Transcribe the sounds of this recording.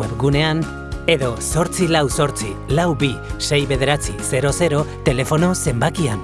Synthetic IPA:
epɡune̞an | e̞ðo̞so̞ɾt͡silawso̞ɾt͡silawbise̞jβe̞ðe̞ɾat͡sise̞ɾo̞se̞ɾo̞t̪e̞le̞fo̞no̞se̞mbakian

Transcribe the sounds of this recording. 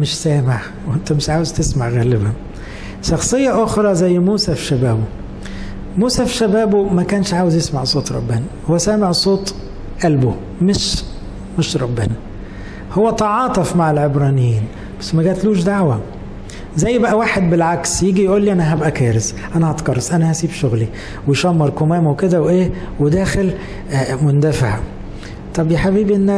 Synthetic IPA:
mɪʃsæːmeʕ | wʔent̪æmɪʃʕaːwezt̪esmaʕɣæːlɪbæ | ʃɑxsˤejːɑʔoxɾˤɑzæjːmuːsæfʃæbæːbo | muːsæfʃæbæːbomækæːnʃʕaːwezjesmaʕsˤoːt̪ˤɾˤɑ̰bːænæhowːæsæːmeʕsˤoːt̪ˤ | ʔælbo | mɪʃ | meʃɾˤɑbːɪnæ | howːæt̪ɑʕɑːt̪ˤefmaʕelʕebɾˤɑːnejiːn | b̥æsːmæɡæːt̪luːʃd̪aʕwæ | zæjːbæʔæwaːħed̪̚belʕaksjiːɡijʔuːlːiʔænæɦæbʔækæːɾes | ʔænæhɑt̪kɑɾˤːɑsʔænæhæsiːbʃoɣli | weʃɑmːɑɾˤkomæːmweked̪æweʔeː | wed̪æːxel | mond̪æfaʕa | t̪ˤɑbjeħabiːbʔenː

